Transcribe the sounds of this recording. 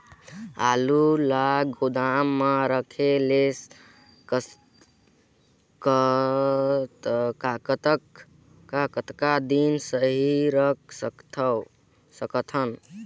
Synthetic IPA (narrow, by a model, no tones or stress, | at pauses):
a̰lulaɡod̪amːaɾəkʰeles | k | t̪kakt̪k | kakət̪kad̪insəɦiɾəksət̪ʰ | səkt̪ʰən